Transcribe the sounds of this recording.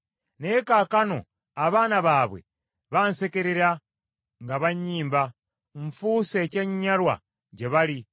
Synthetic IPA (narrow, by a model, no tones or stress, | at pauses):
neːkaːkano̞̰ | aβaːnaβaːβwe̞̰ | βanse̞ke̞ɾeɾa | ŋɡaβaɲiːmba | ɱfuːseceːɲiɲaɾwa̰ | ɟeβali